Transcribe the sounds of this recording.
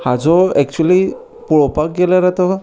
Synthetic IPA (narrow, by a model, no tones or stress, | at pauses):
had͡zɔɛk̚t͡ɕuli | puɭɔpak̚ɡelaɾat̪ɔ